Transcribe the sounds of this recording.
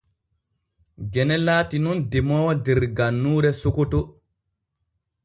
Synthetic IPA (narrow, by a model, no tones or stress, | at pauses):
ɡɛnɛlaːtinɔndɛmɔːwdɛɾɡanːuːɾɛsokoto